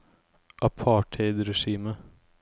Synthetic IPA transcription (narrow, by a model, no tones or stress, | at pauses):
ʔɑpʰɑːʈʰheɪd̪ɾɛʃiːmə